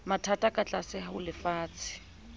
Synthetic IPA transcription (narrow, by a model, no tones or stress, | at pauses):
matʰatʼakʼat͡ɬʼasɪhaʊlɪfaːt͡sʰɪ̥